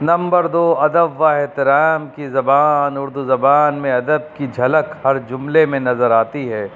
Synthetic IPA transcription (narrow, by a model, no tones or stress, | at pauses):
nɐ̃mbəɾd̪oːɐd̪əbʋaɛɦt̪ɪɾaːmkizɐbaːnʊɾd̪uzɐbaːnmẽɐd̪əb̚kid͡ʒʱɐləkhɐɾd͡ʒʊmlemẽnɐzəɾaːt̪iɦɛː